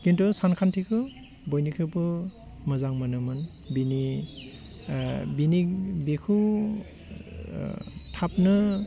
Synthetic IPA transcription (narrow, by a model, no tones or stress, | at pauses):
kintusankʰantʰikʰɯ | bɔjnikʰɯpɯ | mɯzaŋmanɯmɯn | bini | binibekʰu | tʰap̚nɯ